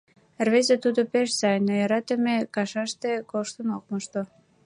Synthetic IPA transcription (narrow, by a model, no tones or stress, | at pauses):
rβezet̪ud̪opeʃsɑjnojɑɾɑt̪ə̆mekɑʃɑʃt̪ekoʃt̪ənok̚məʃt̪o